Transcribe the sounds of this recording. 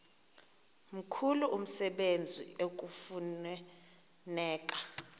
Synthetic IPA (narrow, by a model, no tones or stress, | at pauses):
m̩kʰuluʔum̩sɛɓend͡zʱḭok̬ʼufu | nɛːk̬ʼa